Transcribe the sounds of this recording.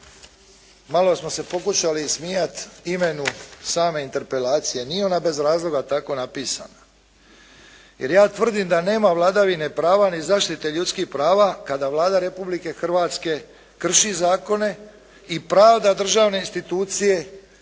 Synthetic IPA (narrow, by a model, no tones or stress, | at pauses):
malo̞smo̞se̞po̞kuʃalismijat̪ime̞nusaːme̞int̪e̞ɾpe̞laːt̪sije̞nijeonabe̞zɾaːzlˠo̞ɡat̪ako̞napiːsa̰na | jeɾjaːt̪ʋr̩d̪imd̪ane̞ːmaʋlˠaːd̪aʋine̞pɾaːʋanizaːʃt̪it̪e̞ʎut̪skiçpɾaːʋakad̪aʋlˠaːd̪aɾe̞publike̞xr̩ʋaːt̪ske̞ | kr̩ʃizaːko̞ne̞ | ipɾaːʋd̪ad̪r̩ʒaːʋne̞inst̪it̪uːt̪sije̞